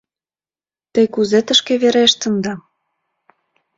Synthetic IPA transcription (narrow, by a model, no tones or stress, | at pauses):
t̪ə̆jkuzet̪ə̆ʃkĕβeɾeʃt̪ə̆nd̪ɑ